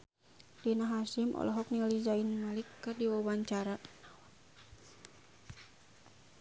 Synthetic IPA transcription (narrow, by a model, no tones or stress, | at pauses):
dinaɦasimʔɔ̰lɔɦɔk̚nilizainmalikːɨrdiwawaɲt͡ʃaɾa